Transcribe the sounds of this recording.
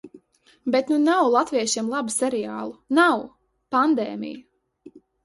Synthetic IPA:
bet̪nunawlˠat̪viɛʃimlˠabusʲɛɾijaːlˠunaw | pand̪eːmḭj

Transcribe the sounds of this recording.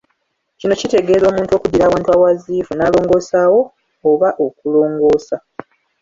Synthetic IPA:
cino̞cite̞ɡe̞ːlo̞ːmuːnto̞ːkudiɾaːwaːntwaːwaziːfunaːlo̞ːŋɡo̞ːsaːwo̞ː | βaʔo̞kulo̞ːŋɡo̞ːsa

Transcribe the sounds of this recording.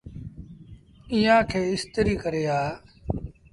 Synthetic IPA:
ĩjãːkʰeːɪst̪əɾiːkəɾeːaː

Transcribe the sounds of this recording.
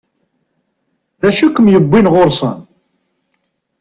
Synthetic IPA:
ðæʃukːəmjəbːinʁoɾsˤən

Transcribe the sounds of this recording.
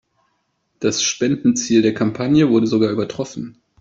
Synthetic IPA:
d̥asʃpɛndn̩t͡siːldeːɐkʰampʰanjəvʊɐdəzoɡaːɐʔyːbɐtʁ̥ɔfn̩

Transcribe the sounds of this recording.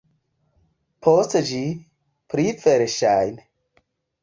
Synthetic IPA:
pʰost͡sɐd͡ʒi | pʰɾifeɾeʃaːjn

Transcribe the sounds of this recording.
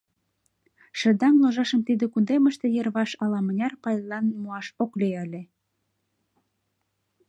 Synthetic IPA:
ʃə̆d̪ɑnloʒɑʃəmt̪id̪ekund̪eməʃt̪ĕjĕrβɑʃɑlɑmə̆nʲɑrpɑjlɑnimoɑʃokleəlʲe

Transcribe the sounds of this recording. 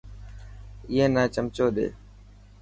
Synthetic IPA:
ɪẽːnaːt͡ʃəmt͡ʃoːɗ̪ḛː

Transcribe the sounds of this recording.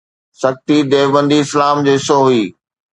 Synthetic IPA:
sɐxt̪id̪eːʋbə̃nd̪iɪslaːmd͡ʑeːɪsoɦuiː

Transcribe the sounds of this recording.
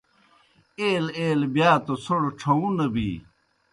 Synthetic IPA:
eːleːlbjaːt̪osʰoɽʈ͡ʂʰɐũnɐbḭː

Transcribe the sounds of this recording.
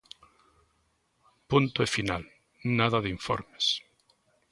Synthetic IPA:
punt̪oefina̰l | naðaðiɱfo̰ɾme̥s

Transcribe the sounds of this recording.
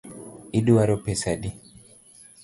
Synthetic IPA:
iduwaɾopɛsadi

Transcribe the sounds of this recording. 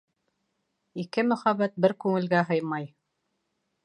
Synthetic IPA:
ikɘmɵ̆χæβæt̪̚bɘɾkʉŋɘ̆lɡæɦɤjmɑj

